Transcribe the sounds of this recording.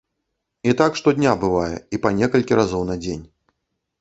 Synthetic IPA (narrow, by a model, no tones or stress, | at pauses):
it̪akʂt̪ɔd̪ʲnʲabɨvajɛ̰ipɐnʲɛkɐlʲkʲiɾazɔwnɐd͡zʲenʲ